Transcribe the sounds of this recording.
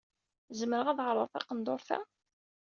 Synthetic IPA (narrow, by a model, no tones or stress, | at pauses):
zəmːəɾəʁæðʁɾˤəɾˤθɑ̰qənd̪ˤoɾˤθæ̰